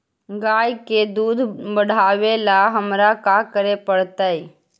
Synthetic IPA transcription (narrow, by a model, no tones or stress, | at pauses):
ɡaːjked̪uːd̪ʱbəɽ̤ʱaːʋelaɦəmɾakakəɾepəɽt̪ai